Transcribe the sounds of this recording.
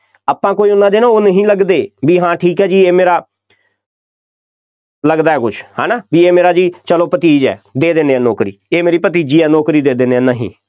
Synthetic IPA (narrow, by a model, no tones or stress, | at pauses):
aːpãːkoːiːʊnːãːd̪eːnãːoːnəɦĩːləɡd̪eːbiːɦãːʈʰiːkɛːd͡ʒiːeːmeːɾaː | ləɡd̪aːɛːkʊt͡ʃʰhɛ̰ːnaːbiːeːmeːɾaːd͡ʒiːt͡ʃəloːpət̪iːd͡ʒɛ̰ːd̪eːd̪eːnd̪eːɛːnɔːkɾḭːeːmeːɾiːpət̪̬iːd͡ʒiːɛːnɔːkɾiːd̪eːd̪eːneɛːnəɦḭ̃ː